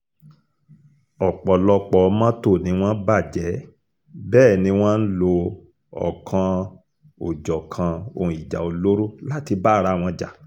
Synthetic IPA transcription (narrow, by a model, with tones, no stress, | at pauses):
ɔ˨k͡pɔ˨lɔ˧k͡pɔ˨˧mã˦to˦˨nĩ˨˧˦w̃ɔ̃˦ba˦˨d͡ʒɛ˨˦ | bɛː˦˨nĩ˧˦w̃ɔ̃˦n̩˦lo˧ | ɔ̰˨kʰã˧ | o˨d͡ʒɔ˨kʰã˧o̰˧˨ũ˨i˨d͡ʒa̰˨o˨lo˦ɾo˦la˦ti˧ba˦˨ɾa˧˦˨w̃ɔ̃˧d͡ʒa̰˨